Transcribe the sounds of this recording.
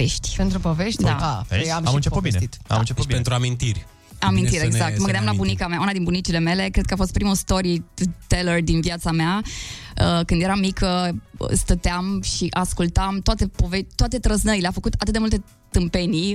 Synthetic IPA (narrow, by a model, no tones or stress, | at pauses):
eʃt̪ʲpent̪ɾupoveʃt̪ʲdd̪aaamɨnt͡ʃeput̪̚bint̪a̰mnt͡ʃepuent̪ɾuamint̪irʲ | amint̪iɾeɡ̪ak̚t̪məɡɨnd̪ʲamlabunikameaunad̪inbunit͡ʃile̞me̞le̞kɾed̪̥̚kəafo̞st̪pɾimust̪o̞ɾit̪elerd̪invjat̪samea | əkɨnd̪jeɾamikʰəst̪ət̪eamʃiʔaskult̪amt̪oat̪e̞po̞vet̪oat̪e̞t̪ɾəznəɾileafəkut̪at̪ɨt̪d̪emult̪e̞ | t̪ɨmpe̞ni